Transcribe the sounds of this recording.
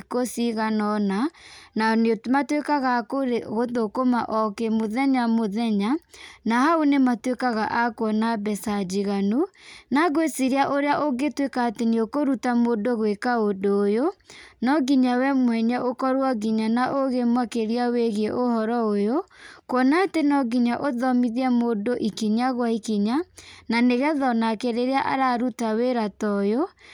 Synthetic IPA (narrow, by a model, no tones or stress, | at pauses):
kosiɣanɔnananomatwekaɣakoɾeɣoðokoma̰ʔɔkemoðɛɲamoðɛɲanahaonematwekaɣa̰ʔakwɔnabɛsad͡ʒiɣanunaɣwesiɾiaʔoɾeaʔoɡetwekaːteneokoɾutamodoɣwekaodoːjonɔɡiɲawɛmwɛɲɛʔokɔɾwaɡiɲanaʔoɣemwakeɾiaweɣeʔohɔɾɔojokwɔnatenɔɡiɲaʔoðɔmiðiamodoʔikiɲaɣwaikiɲananeɣɛðɔnakeɾeɾeaʔa̰ɾaɾutaweɾatɔjo